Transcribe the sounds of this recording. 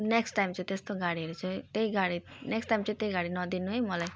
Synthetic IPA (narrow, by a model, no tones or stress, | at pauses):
neksʈːajmt͡sʰʌ̃t̪est̪oɡaɽiɦʌɾut͡sʰʌt̪eiɡaɽineksʈajmt͡sʌt̪eiɡaɽinʌd̪inuɦʌjmʌlaj